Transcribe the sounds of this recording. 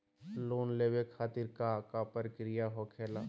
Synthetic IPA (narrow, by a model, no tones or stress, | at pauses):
loːnleːwekʰaːt̪iɾkakapəɾkɾijaɦokʰeːlaː